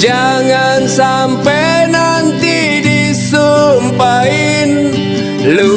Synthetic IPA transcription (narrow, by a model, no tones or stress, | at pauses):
d͡ʒaŋansa | mpɛ | na | nt̪i | di | sumpaɪ | n | lu